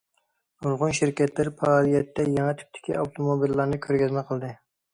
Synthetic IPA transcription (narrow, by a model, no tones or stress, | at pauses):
olˠʁʊnʃiɾkʲɛt̪lɪɾɪpʰɑlˠijɛt̪ʰːɛjɑŋɛt̪ʰy̥p̚t̪ʰɪ̥kʲiɑwt̪ʰomobilːɑɾnɨkʲʰøɾɡʲɛzmɛqʰəlˠd̪ɨ